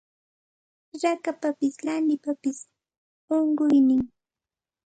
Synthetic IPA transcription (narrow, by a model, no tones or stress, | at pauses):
ɾakapapɪslanɪpapɪs | oɴɢʊjnɪŋ